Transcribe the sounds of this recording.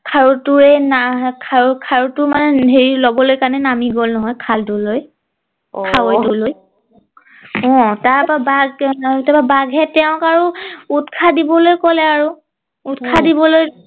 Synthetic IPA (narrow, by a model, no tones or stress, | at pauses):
kʰaɹutʊɹɛnakʰakʰaɹutʊmanɛɦeɹilobɔlojkaɹnɛnamiɡolnɔɦɔjkʰalduloj | kʰawojtʊloj | ɔ̃taɹpabaɡtababaɡɦɛtɛʊ̃kaɹuutkʰadibɔlojkɔlɛaɹu | utkʰadibɔloj